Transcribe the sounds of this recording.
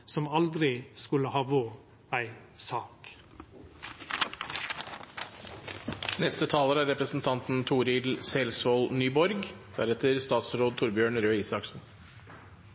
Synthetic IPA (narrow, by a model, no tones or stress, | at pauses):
sɔmɑld̪ɾɪskʉləhɑːʋoː | æɪ | sɑːk | nɛst̪ət̪ʰɑːləɾəæːɾɛpɾəsn̩t̪ʰɑnt̪n̩t̪ʰuːɾɪlsɛlsʋoːlnyːbɔɾɡd̪̥æɾɛt̪əɾst̪ɑːt̪sɾoːd̪̚t̪ʰʊɾbjøːɳɾøːiːsɑksn̩